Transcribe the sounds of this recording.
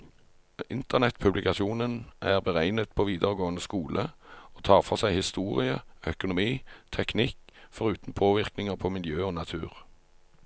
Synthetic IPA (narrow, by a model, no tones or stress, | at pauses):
ɪnt̪əʁnɛt̪pʰʉblɪkɑʃɪuːnənʔæːʁbəʁæɪnət̪̚pʰoːʋiːd̪əʁəɡoːənəskuːlʔəoːt̪ʰɑːʁfɔʁsæɪhɪst̪uːʁɪəœkʊnʊmiːt̪ʰɛknɪkfɔʁʉːt̪n̩pʰoːʋɪʁknɪŋəʁpʰoːmɪljøːoːnɑt̪ʰʉ̰ːʁ